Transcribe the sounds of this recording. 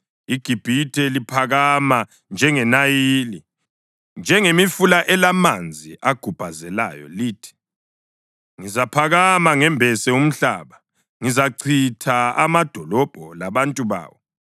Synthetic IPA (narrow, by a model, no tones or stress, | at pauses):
iɡ̥ʱib̥ʱitʰɛlipʰaɣama | nd͡ʒʱɛŋɛnajiːli | nd͡ʒʱɛŋemifulaʔɛlamand͡zʱiʔaɡ̥ʱub̥ʱazɛla̰ːjɔ̰liːtʰi̥ | ŋizapʰaɣamaŋɛmbʱɛsɛum̩ɬaːβa | ŋizaǀʰitʰaamad̥ʱɔlɔb̥ʱɔlaβantʼuβa̰ːwɔ